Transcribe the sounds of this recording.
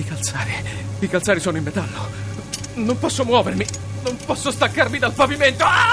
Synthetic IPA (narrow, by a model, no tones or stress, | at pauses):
ikalt̪saːɾiikalt̪saːɾisoːnoimːet̪alːo | nompɔsːomwɔːvermi | nompɔsːost̪akːarmid̪alpaviment̪o